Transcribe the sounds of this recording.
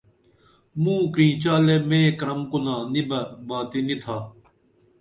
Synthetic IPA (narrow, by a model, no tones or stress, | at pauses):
mũːkɾĩːt͡ɕaːleːmẽːkɾɐmkʊnãːnibɐbaːt̪init̪ʰaː